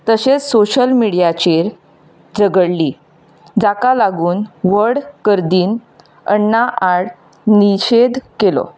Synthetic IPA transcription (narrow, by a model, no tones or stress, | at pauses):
t̪əɕet͡ssoɕəlmiɽijat͡ɕeɾ | d͡zəɡəɽli | d͡zakalaɡuːnʋəɾɽkəɾd̪iːn | əɳːaʔaɽ | niɕed̪kelɔ̰